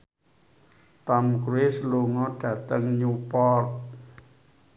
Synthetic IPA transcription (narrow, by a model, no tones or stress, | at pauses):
t̪amkɾuesloŋɔɖ̥ä̤t̪əŋɲupɔrt̪̚